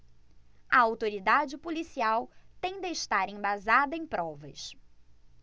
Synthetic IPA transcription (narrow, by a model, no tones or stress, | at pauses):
ɐ̰awt̪oɾid̪ad͡ʒɪpolisiawt̪ẽd̪eɪʃt̪aɾẽbazad̪ɐẽj̃pɾɔvɐ̰s